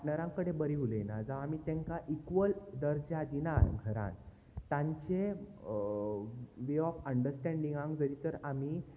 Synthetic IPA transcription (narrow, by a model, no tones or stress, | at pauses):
nəɾãŋkəɽebəɾiulenad͡zaamit̪ɛ̃ŋkaʔikʋəld̪əɾd͡ʑad̪inaɾɡʱəɾã̰n | t̪ãɲt͡ɕe | ʋeɔfəɳɖəɾsʈɛ̃ɳɖĩŋɡãŋɡd͡zəɾit̪əɾam̤iː